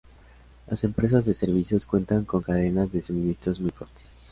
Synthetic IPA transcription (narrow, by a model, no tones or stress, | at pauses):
lʔa̰se̞mpɾe̞s̬azðe̞se̞ɾβisjo̞skwe̞nt̪aŋko̞ŋkaðe̞nazðesumĩnist̪ɾozmujkot̪e̥s